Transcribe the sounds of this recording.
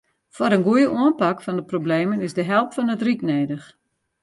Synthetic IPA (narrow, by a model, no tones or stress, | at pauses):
fɔɾənɡujəʔuənpakfɔndəprobleːmənɪzdəɦɛlˠpfɔnətrikneːdəx